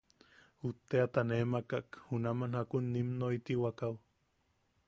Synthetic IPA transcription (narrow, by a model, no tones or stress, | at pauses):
ut̪ːeat̪anemakakhunamanhakunːimnoit̪iwakaw